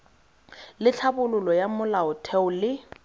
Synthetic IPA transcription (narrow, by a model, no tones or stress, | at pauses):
lɪt͡ɬʰabʊlʊlɔjamʊlaʊtʰɛʊlɪ